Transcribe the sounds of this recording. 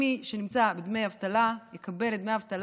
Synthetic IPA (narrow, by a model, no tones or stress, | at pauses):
iʃenimt͡sabed̪mejavt̪alajekʰabe̞led̪me̞javt̪al